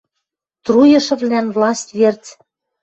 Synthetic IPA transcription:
t̪rujɤ̆ʃɤ̆vlænvlˠɑsʲt̪ʲvert͡s

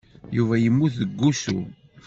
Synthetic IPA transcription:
juvæjəmːuθðəɡːusṵ

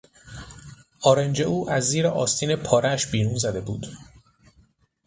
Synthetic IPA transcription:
ʔɒːɾend͡ʒe̞ʔuːʔæzːiːɾeʔɒːst̪ʰiːnepʰɒːɾeʃbiːɾuːnzæd̪e̞buːd̪̥

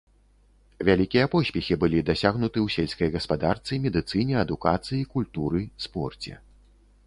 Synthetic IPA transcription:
vʲalʲikʲijɐpɔsʲpʲɛxʲibɨlʲid̪asʲaɣnut̪ɨwsʲelʲskɐjɣɐspad̪art̪sɨjmʲɛd̪ɨt̪sɨnʲɛɐd̪ukat̪sɨjikulʲt̪uɾɨspɔrt͡sʲɛ̰

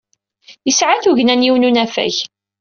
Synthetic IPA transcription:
jəsʕaθuʝnænjiwnunæfæ̰ç

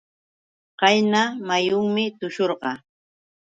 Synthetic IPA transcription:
qɑjnamajʊŋmɪt̪ʊʃoɾɢɑ

